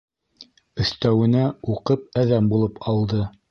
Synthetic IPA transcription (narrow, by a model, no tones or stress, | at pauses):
ɵ̆θt̪æwɘ̆næuqɤp̚æðæmbulˠɤpɑlˠd̪ɤ